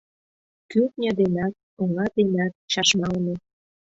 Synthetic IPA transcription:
kyt̪̚nʲɑd̪enɑt̪̚uŋɑd̪enæt̪̚t͡ɕɑʃmɑlne

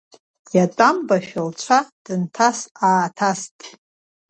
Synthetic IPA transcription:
jatʼambaʃᶣalt͡ʃʷʰad̥ɨntʰasaːtʰastʼ

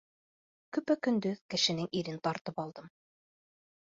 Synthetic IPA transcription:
kɵ̆pækɵ̆nd̪ɵðkɘ̆ʃɘ̆nɘŋʔiɾɘnt̪ɑɾt̪ɤpɑlˠd̪ɤm

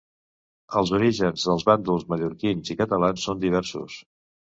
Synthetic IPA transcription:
əlˠzuɾiʒənzðəlˠzβand̪ulˠzməʎuɾkinzikət̪əlansːond̪iβ̞ɛɾsṵs

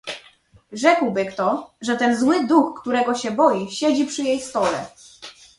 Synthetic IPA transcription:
ʐɛkwbɘkt̪ɔʐɛt̪ɛnzwɘd̪uxːt̪uɾɛɡɔɕɛbɔjiɕed͡ʑipʂɘjejst̪ɔlɛ̰

